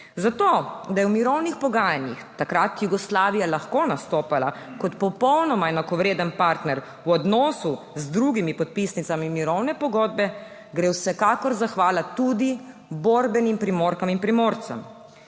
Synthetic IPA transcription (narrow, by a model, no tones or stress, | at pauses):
zat̪od̪ajɛwmiɾɔwnixpɔɡaːjanjixt̪akɾat̪juɡɔslaːʋijalaxkonast̪oːpala̰kɔt̪pɔpɔwnɔmaɛnakɔʋɾeːd̪ənpaɾt̪nɛɾ | wɔd̪nɔːsu | zd̪ɾuɡimipɔt̪̚pisnit̪samimiɾɔwnɛpɔɡɔːd̪̚bɛ | ɡɾewsɛkaːkɔɾzaxʋaːlat̪ud̪i | boɾbɛnimpɾimoːɾkaminpɾimoːɾt̪sa̰m